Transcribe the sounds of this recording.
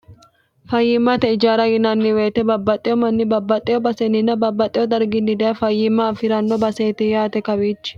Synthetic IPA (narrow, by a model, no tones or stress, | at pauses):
fɐjːɪmːɐt̪ɛɪd͡ʒaːɾɐɡɪnɐnːɪweːt̪ɛbɐbːɐt̪ʼːɪjɔmɐnːɪbɐbːɐt̪ʼːɪjɔbɐsɛnɪnːɐbɐbːɐt̪ʼːɪjɔd̪ɐɾɡɪnːɪd̪ɛjɐfɐjːɪmːɐːfɪɾɐnːɔbɐseːt̪ɪjaːt̪ɛkɐbiːt͡ʃː